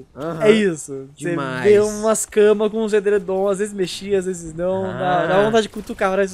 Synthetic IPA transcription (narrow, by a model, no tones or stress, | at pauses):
aɛisʊseveũmɐskɐ̃mɐkõũs̬ed̪eɾed̪õazvezɪzmeʃiazvezɪznɐ̃w̃d̪ad̪avɐvõt̪ad͡ʒɪkut̪ukapɾais̬